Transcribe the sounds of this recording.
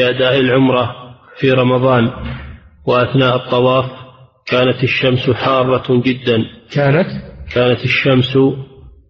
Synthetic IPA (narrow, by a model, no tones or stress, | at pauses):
ʔad̪aːʔɪlʕʊmɾˤɑfiɾˤɑmɑðˤɑːn | wɪʔaθnaːʔɨt̪ˤːɑwɑːf | kaːnat̪ɪʃːamsħɑːrˤːɑd͡ʒɪd̪ːankaːnat̪kʰaːnat̪ɪʃːams